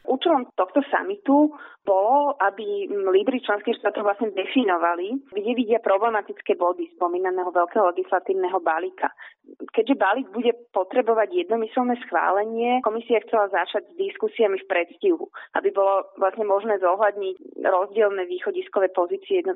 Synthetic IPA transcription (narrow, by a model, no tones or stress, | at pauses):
ʔuːt͡ʃɛlɔmt̪ɔxt̪ɔsa̰mit̪ub̥ɔlɔʔabilib̪ɾit͡ʃlɛnskiːxʃt̪aːt̪ɔʊvlasɲɛd̪ɛfinɔʋaliɡɟɛʋiɟɪapɾɔblɛmat̪it͡skɛːbɔd̪ispɔmiːnanɛːɦɔʋɛlkɛɦɔlɛɡislat̪iːʊnɛɦɔbalikʰa̰kɛɟʒɛbaliːɡ̚buɟɛpɔt̪ɾɛbɔʋaɟjɛd̪nɔmisɛlnɛːsxʋa̰ːlɛɲɪɛkɔmisiaxt͡sɛlazat͡ʃaɟzd̪iskusiamifpɾɛt̪sciɦṵʔa̰bibɔlɔʋlasɲɛmɔʒnɛːzɔɦlad̪ɲicɾɔzɟɪɛlnɛʋiːxɔɟiskɔʋɛpɔziːt͡siɛjɛd̪n